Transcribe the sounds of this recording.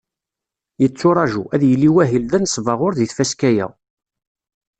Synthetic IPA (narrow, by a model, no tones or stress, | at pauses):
jət͡sːʊɾˤɑʒuʔæðjəlːiwæɦilðænsvɑʁʊɾðiθfæskæjæ̰